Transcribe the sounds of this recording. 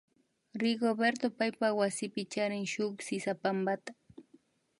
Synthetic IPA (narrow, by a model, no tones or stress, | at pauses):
ɾɪɡobeɾt̪opajpawasɪpɪt͡ʃaɾɪŋʃʊksɪsapambat̪ḁ